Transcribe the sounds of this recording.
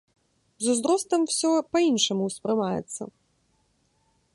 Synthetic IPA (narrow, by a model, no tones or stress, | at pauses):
zuzd̪ɾɔst̪ɐmwsʲɔpɐinʂɐmuwspɾɨmajɛ̰t̪sːɐ̰